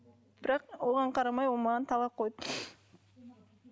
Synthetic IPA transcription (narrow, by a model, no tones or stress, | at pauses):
b̥ɪɾɑqoʁɑɴqʰɑɾɑmɑjolˠmɑʁɑnt̪ʰɑlˠɑp̚qʰojd̪